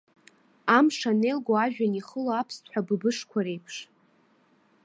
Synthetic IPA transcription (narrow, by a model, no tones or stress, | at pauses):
amʂane̞lɡʷoaʒᶣaniχəloapʰstʰħʷᶣabɨbɨʂkʷʰaɾe̞jpʰʂ